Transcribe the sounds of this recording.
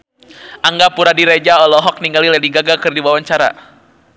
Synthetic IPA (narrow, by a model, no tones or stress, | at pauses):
ʔaŋɡapuɾadiɾed͡ʒaɔlɔɦɔk̚niŋɡalilɛdiɡaɡakɨrdiwawaɲt͡ʃaɾa̰